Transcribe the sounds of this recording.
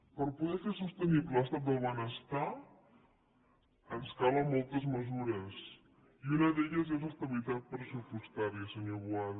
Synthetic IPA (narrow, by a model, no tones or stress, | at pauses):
pəɾpuðɛfesust̪ənibləst̪at̪̚d̪əlˠβənəst̪a | ənskaləmɔlˠt̪əzməzuɾəs | iunəðeʎəzezəst̪əβilit̪at̪̚pɾəsupust̪aɾiəsəɲoβwað